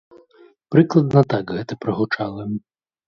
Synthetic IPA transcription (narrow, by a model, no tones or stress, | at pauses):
pɾɪklˠɐd̪nɐt̪ɑkɦɛt̪ɛpɾɐɦʊt͡ʃɑlˠɪm